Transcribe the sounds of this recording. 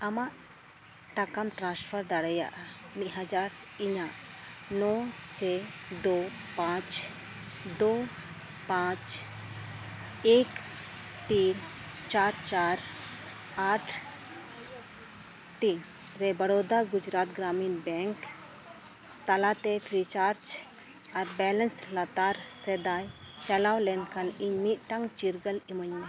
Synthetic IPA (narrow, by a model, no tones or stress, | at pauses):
amaʔ | ʈakamʈɾãnspʰəɾd̪aɽɛja̰ʔamiɦad͡ʒaɾiɲaʔnɔsʰɛd̪opãt͡ʃ | d̪o | pãt͡ʃ | ek | t̪int͡ʃaɾt͡ʃaɾ | aʈʰ | t̪in | ɾɛbəɾod̪aɡud͡ʒɾat̪̚ɡɾaminbɛŋk | t̪alat̪ɛpʰɾit͡ʃaɾd͡ʒ | aɾbɛlənslat̪aɾsɛd̪aj | t͡ʃalawlɛnkʰaniɲmit̪̚ʈaŋt͡ʃiɾɡəliməɲa